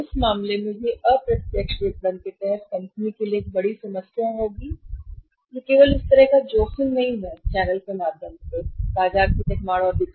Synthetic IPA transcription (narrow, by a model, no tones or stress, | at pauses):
ʊsmaːmlemẽjeʔəpɾɐt̪jəkʃɾek̪̚bənk̪et̪ɛɦət̪̚kɐ̃mpnikelieːk̚bɐɽisɐməsjaɦoːɡiː | jekeːʋəlʊst̪ɐɾəɦkad͡ʒoːxɪnnɐɦĩɦɛt͡ʃɛːnəlkemaːd̪ʱjəmsebaːd͡ʒaːb̚kit̪ekmaːɽɔːɾd̪ɪk̪ʰ